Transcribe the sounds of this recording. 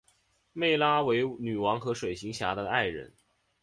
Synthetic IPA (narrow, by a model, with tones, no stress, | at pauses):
me˥˩ɪla˥we˧˥ɪny˨˩wɑ˧˥ŋxɤ˧˥ʂwe˨˩ɪɕi˧˥ŋɕja˧˥d̪ə˧a˥˩ɪɻə̰˧˥n